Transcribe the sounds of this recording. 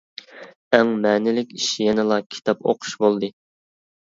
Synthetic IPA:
æŋmɛːnɪlɪkʲiʃjɛnɨlˠɑkʲʰi̥t̪ʰɑpo̰qʰʊ̥ʃbolˠd̪ɨ

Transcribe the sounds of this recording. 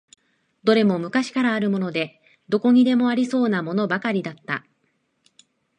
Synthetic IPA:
d̪̥o̞ɾe̞mo̞mɯ̟kaɕi̥kaɾaːɾɯ̟mo̞no̞d̪e̞ | d̪o̞ko̞ɲ̟id̪e̞mo̞aɾʲiso̞ːnamo̞no̞bakaɾʲid̪at̪ːa̰

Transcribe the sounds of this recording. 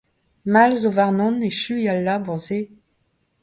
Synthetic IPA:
malzovaʁnɔ̃neʃyialːabɔ̃ze

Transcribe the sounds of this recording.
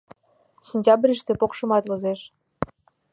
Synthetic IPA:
sinʲtʲɑbɾʲiʃt̪epokʃə̆mɑt̪vozeʃ

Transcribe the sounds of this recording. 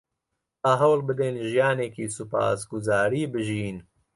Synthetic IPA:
aːɦɐwlbɨd̪enʒijaːneːkiːsupa̰ːsɡʊzaːɾiːbɨʒiːn

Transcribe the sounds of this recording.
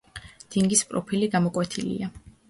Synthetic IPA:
d̪̥iŋɡispʼɾɔpʰiliɡamɔkʼwɛt̪ʰilḭa

